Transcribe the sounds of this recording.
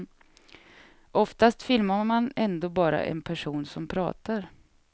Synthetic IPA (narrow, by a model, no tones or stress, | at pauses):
ʔɔft̪ast̪fɪlmamanɛnd̪oːbɑːɾa̰ʔɛ̰npʰæʂuːnsɔmpʰɾɑ̰ːt̪aɾ